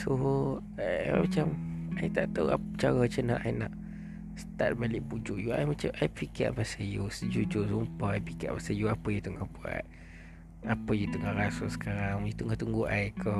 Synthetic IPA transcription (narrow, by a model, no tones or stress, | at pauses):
so | mat͡ʃamajt̪aʔt̪awa̰t͡ʃaɣət͡ʃəna̰ʔajna̰ʔ | sə̥t̪a̰t̪̚baliʔpud͡ʒuʔjua̰jmat͡ʃamʔajpika̰ʔpasajusəd͡ʒud͡ʒusumpaajpika̰ʔpasajuapəjut̪uʔŋahbua̰t̪̚ | apəjut̪uʔŋaɾasosə̥kaɾaŋjut̪uʔŋaht̪uŋɡuʔajko